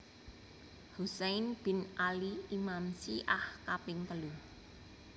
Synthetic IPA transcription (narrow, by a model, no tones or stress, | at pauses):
husɛjnb̥ɪ̤nʔaliimamsiʔahkapɪŋt̪əlu